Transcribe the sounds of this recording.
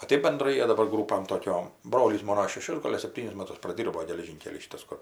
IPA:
oː ˈtɜp bʲɛnˈdrɐɪ ˈjiɛ dɐˈbɐr ˈɡruːpɐm toːˈkʲoːm ˈbroːlʲiːs ˈmoːnoː ʃʲɛˈʃʲʊs ˈɡoːlʲ ɐr sʲɛpʲˈtʲiːnʲɪs ˈmɑːtʊs prɐˈdʲiːrboː ɡʲɛlʲɛˈʒʲiːŋʲkʲɛlʲiː ˈʃʲiːtɐs ˈkʊr

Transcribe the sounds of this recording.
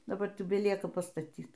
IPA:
dɐˈbɐr tʲɪk bʲɛˈlʲiɛkɐ pɐstɐˈtʲiːt

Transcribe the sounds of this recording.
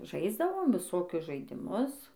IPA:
ˈʒɐɪzdɐʋoːm ʋʲɪˈsoːkʲʊs ʒɐɪdʲɪˈmʊs

